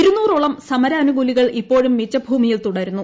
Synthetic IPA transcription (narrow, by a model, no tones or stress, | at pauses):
ɾunːuːroɭɐmsɐmɐɾɐːnuɡuliɣɐɭipːo̞ːɻumːit͡ɕːɐbʱuːmijilt̪uɽɐɾunːu